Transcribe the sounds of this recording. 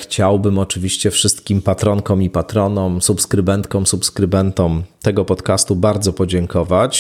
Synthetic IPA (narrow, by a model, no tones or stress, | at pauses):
xt͡ɕawbɘmɔt͡ʂɘvʲiɕt͡ɕɛfʂɘst̪kʲimpat̪ɾɔŋkɔmipat̪ɾɔnɔmsupskɾɘbɛnt̪kɔ̃msupskɾɘbɛnt̪ɔmt̪ɛɡɔpɔt̪kast̪ubaɾd̪zɔpɔd͡ʑɛŋkʰɔvat͡ɕ